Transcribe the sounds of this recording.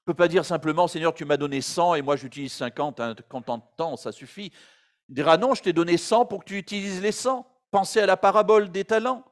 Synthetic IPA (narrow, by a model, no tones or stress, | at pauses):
əpøpad̪iʁsɛ̃pləmɑ̃seɲjœʁt̪ymad̪ɔnesɑ̃emwaʒyt̪ilizsɛ̃kɑ̃t̪ɛ̃kɔ̃t̪ɑ̃d̪ət̪ɑ̃sasyfi | d̪iʁanɔ̃ʒət̪ɛd̪ɔnesɑ̃puʁkət̪yːt̪ilizlesɑ̃ | pɑ̃sealapaʁabɔld̪et̪alɑ̃